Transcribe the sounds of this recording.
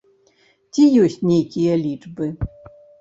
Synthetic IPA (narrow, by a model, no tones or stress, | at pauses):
t͡sʲijɔsʲt͡sʲnʲejkʲijɐlʲit͡ʂbɨ